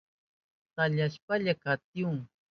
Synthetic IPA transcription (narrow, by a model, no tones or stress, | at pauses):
t̪aʎaʃpaʎakat̪juŋ